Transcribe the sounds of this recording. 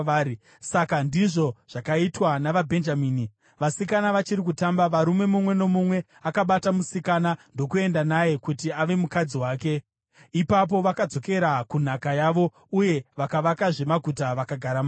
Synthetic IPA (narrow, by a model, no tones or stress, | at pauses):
i | sakandiʐo̞ʐ̥akaitwanaʋabʱe̞nd͡ʒamiːni | ʋasikanaʋat͡ʃiɾik̬utambaʋaɾume̞mumwe̞no̞mumwe̞ | akaɓatamusikanando̞kue̞ndanaje̞kutiaʋe̞mukad͡ziwaːke̞ | ipap̬o̞ʋakad͡zo̞ke̞ɾakun̤akajaʋo̞ | uje̞ʋakaʋakaʐe̞maɡʱutaʋakaɡʱaɾam